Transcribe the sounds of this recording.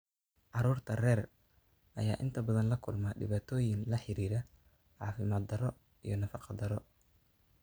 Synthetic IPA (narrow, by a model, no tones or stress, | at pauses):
ʕɑɾuːrt̪ʰɐrɛːr | ʔɐ̰jaːʔɪnt̪ʰɐbɐðɐnlɐkʰʊlmaːɖɪ̰βaːt̪ʰɔːjɪnlɐħɪɾiːɾɛ | ʕɑːfɪmaːd̪ɐɾɔ | ḭjɞnɐfɑqɑd̪ɐɾɔ